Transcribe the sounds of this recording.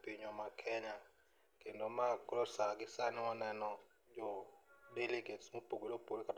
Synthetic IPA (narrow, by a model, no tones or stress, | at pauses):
pɪɲɔmakʰɛɲa | kendomakolosaɡɪsanɔnɛnɔ | d͡ʒɔdeliɡetsmopoɡolopolkat